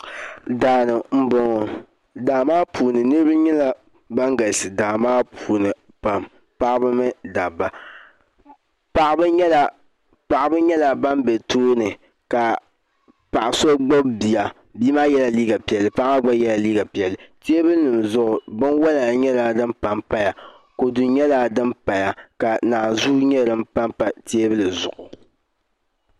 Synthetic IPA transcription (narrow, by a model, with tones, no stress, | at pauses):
daː˨nɨ˨m̩˨bɔ˨ŋɔ˨ | daː˨maː˦pʰuː˨nɨ˨nɨ˦ɾɨ˦bɨ˦ɲɛ˦la˨ | ba˦ŋɡa˨lsɨ˨daː˨maː˦pʰuː˨nɨ˨ | pa˨m | pa˦ʔbɨ˦mɨ˦da˨bːa˨ | pa˨ʔɪ˦bɨ˦ɲɛ˦la˨ | pa˨ʔɪ˨bɨ˦ɲɛ˦la˨ba˦mbɛ˨toː˦nɨ˨ | ka˨ | pa˨ʔa˨so˦ɡ͡bo˦bbi˨ja˨ | biː˦maː˦jɛ˦la˨liː˦ɡa˨pi˨ɛ˨lːɨ˨˦pa˦ʔba˦ɡ͡ba˦jɛ˦la˨liː˦ɡa˨pi˨ɛ˨lːɨ˨ti˦e˦bɨ˦lnɨ˨mzʊ˦ʔʊ˨bɨ˦nwa˦la˨ɲɛ˦la˨dɨ˦mpa˨mpa˦ja˨ | ko˨du˨ɲɛ˦la˦dɨ˦mpa˨ja˨ka˨naː˨zu˦ɲɛ˦ɾɨ˦m̩˦pa˦mpa˨te˦bɨ˦lɨ˨zʊ˨ʔʊ˨